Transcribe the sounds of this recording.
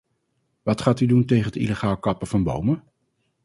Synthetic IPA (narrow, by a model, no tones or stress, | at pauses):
ʋɑtχaːtyduntejχənətḭləχaːlˠkɑpəv̥ɑnbo̰wmə